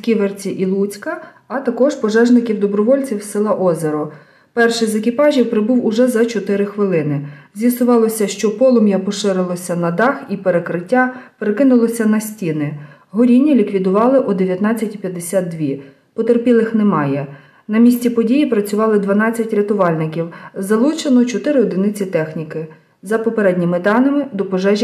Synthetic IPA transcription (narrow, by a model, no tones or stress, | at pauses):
skʲiʋert͡sʲiʔilˠut͡sʲkɐ | ɐt̪ɐkɔʒpɔʒɛʒnɪkʲiwd̪ɔbɾɔʋɔlʲt͡sʲiwsɪlˠɑʔɔzeɾɔ | pɛrʃɪjzekɪpɑʒʲiwpɾɪbuwʊʒɛzɐt͡ʃɔt̪ɪɾɪxʋɪlˠɪnɪzʲjɐsʊʋɑlˠɔsʲɐʃt͡ʃɔpɔlˠɔmjɐpɔʃɪɾɪlˠɔsʲɐnɐd̪ɑxipeɾekɾɪtʲːapeɾekɪnʊlˠɔsʲɐnɐsʲtʲinɪ | ɦɔɾʲinʲːilʲikʋʲid̪ʊʋɑlˠɪʔɔd̪eʋʲjɐt̪nɑt͡sʲːɐtʲipʲjɐd̪ːesʲat̪̚d̪ʋʲi | pɔt̪erpʲilˠɪxnɛmɑjɛ | nɐmʲisʲtʲipɔdʲijipɾɐt͡sʲʊʋɑlˠɪd̪ʋɐnɑt͡sʲːɐtʲɾʲɐt̪ʊʋɑlʲnɪkʲiwzɐlˠut͡ʃenɔt͡ʃɔt̪ɪɾɪɔd̪ɪnɪt͡sʲit̪ɛxnʲikɪ | zɐpɔpeɾɛdʲnʲimɪd̪ɑnɪmɪd̪ɔpɔʒɛʒʲ